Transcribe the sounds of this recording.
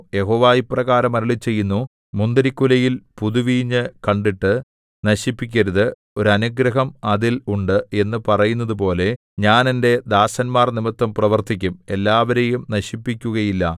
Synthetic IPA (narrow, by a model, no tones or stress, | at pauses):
je̞ɦo̞ːʋaːjiprɐɣaːɾɐmɐɾiɭit͡ɕːe̞jːunːu | mund̪ɐɾikːulɐjilpuðuʋiːɲːɨkɐɳɖiʈːɨ | nɐɕipːikʲːɐɾuðɨ | o̞ɾɐnuɡɾɐɦɐmɐðiluɳɖɨe̞nːɨpɐrɐjunːɐðɨp̬o̞ːle̞ | ɲaːne̞nde̞d̪aːsɐnmaːrnimit̪ːɐmprɐʋɐrt̪ikʲːume̞lːaːʋɐɾejumnɐɕipːikʲːuɣɐjilːɐ